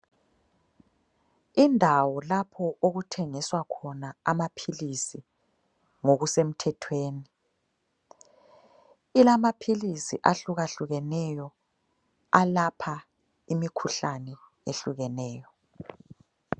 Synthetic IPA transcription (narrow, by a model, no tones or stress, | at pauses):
indʱawɔlapʰɔʔoɣutʰɛŋiswakʰɔnaamapʰilisi | ŋoɣusem̩tʰɛtʰweːni | ilamapʰilisiʔaɬuɣaɬuɣɛnɛjɔ | alapʰa | imikʰuɬanɛ | eɬuɣɛnɛːjɔ